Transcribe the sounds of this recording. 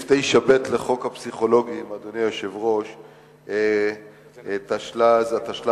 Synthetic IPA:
ftejʃabet̪le̞χo̞khapsiχo̞lo̞ɡiːmad̪onijoʃevʁo̞ʃ | t̪aʃlazat̪aʃla

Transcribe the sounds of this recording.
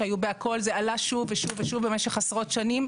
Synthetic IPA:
ajubeako̞lzealaʃuveʃuveʃuvbemeʃeχasʁo̞t̪ʃanim

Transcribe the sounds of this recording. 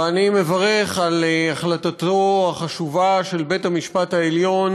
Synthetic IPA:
anime̞vaʁe̞χalaχlat̪at̪o̞aχaʃuvaʃe̞lbe̞thamiʃpataeljo̞n

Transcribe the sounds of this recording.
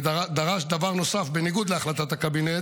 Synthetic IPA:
ad̪aʁaʃd̪avaʁno̞safbeniɡud̪leaχlat̪at̪akabine

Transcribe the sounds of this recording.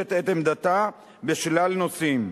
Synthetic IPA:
et̪et̪emd̪at̪a | beʃlalnosim

